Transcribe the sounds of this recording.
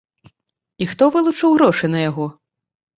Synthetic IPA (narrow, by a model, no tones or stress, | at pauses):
ixt̪ɔvɨlˠut͡ʂɨwɣɾɔʂɨnɐjaɣɔ